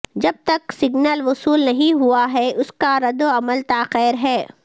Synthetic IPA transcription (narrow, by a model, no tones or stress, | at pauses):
d͡ʒɐb̚t̪ɐksɪɡnəlʋʊsuːlnɐɦĩɦuaɦɛʊskaɾɐd̪oɐməlt̪aːqɛːɾɦɛː